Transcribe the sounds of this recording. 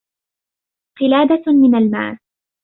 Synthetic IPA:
qɪlaːd̪amɪnalma̰ːl

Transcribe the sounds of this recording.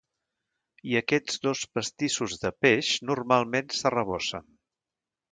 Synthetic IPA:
iəkɛd͡zðospəst̪isuzðəpɛʃnurmalˠmensərəβɔsə̰n

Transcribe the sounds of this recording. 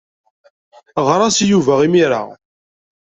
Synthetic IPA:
ʁɾˤɑsjuvæʁimiɾa̰ʁ

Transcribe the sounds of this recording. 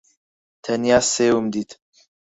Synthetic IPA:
t̪ʰɛnjaːseːwumd̪iːt̪

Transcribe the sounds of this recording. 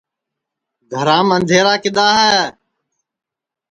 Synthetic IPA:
ɡ̪ʱəɾãːmənd̪ʱeːɾaːkɪɗ̪aːɦɛː

